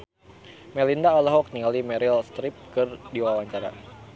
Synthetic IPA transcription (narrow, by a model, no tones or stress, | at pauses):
mɛlindaɔlaɦɔk̚niŋalimɛɾilst̪ɾɪp̚kɨrdiwawaɲt͡ʃaɾa̰